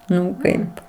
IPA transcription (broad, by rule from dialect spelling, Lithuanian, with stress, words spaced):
ˈnʊ ˈkɐɪp